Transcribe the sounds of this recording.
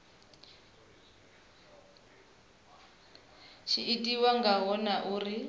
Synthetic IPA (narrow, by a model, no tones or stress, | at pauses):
ʃʰiitʼiwaŋɡaɦɔnaʔuːri